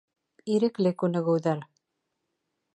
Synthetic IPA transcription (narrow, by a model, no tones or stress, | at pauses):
iɾɘ̆klɘkʉnɘ̆ɣɘ̆wðæɾ